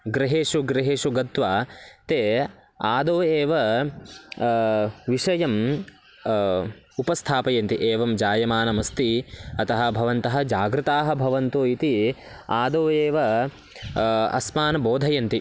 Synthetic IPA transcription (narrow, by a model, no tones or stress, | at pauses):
ɡɾɐɦeːʂuɡɾeɦeːʂuɡɐt̪ʋaːt̪eː | aːd̪oːeːʋɐ | ʋiʂɐjɐm | upɐst̪ʰaːpɐjɐnt̪iʔeːʋɐmd͡ʒaːjɐmaːnɐmɐst̪iɐt̪ɐɦɐ̆bʱɐʋɐnt̪ɐɦɐ̆d͡ʒaːɡɾut̪aːɦɐ̆bʱɐʋɐnt̪oːit̪i | aːd̪oːeːʋɐ | ɐ̰smaːnɐboːd̪ʱɐjɐnt̪i